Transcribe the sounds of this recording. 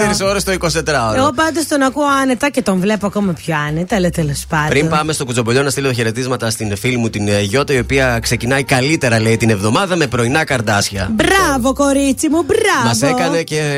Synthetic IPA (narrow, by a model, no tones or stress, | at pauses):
eɾiso̞ɾest̪oiko̞st̪e̞t̪ɾɐoeɣo̞pɐnd̪ost̪o̞nɐkuoɐnet̪ɐce̞t̪o̞ɱvle̞poɐko̞mɐpçoɐnet̪ɐlet̪elospɐndpɾimpɐme̞st̪o̞kut͡sobo̞ʎo̞nɐst̪iloðoçe̞ɾe̞t̪izmɐt̪ɐst̪infilimut̪inʝo̞t̪ɐio̞piɐksecinɐikɐlit̪e̞ɾɐle̞it̪ine̞vðo̞mɐðɐme̞pɾo̞inɐkɐɾd̪ɐsçɐ̰bɾɐvo̞ko̞ɾit͡simubɾɐmɐssekɐne̞ce̞